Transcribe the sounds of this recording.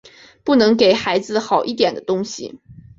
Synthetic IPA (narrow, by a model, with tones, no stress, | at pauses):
pu˥˩nɤ˧˥ŋke˨˩ɪxa˧˥ɪd͡zɹ̩˧xɑ˨˩ʊʔi˥˩t̪jɛ˨˩nd̪ə˦t̪ʊ˥ŋɕḭ˨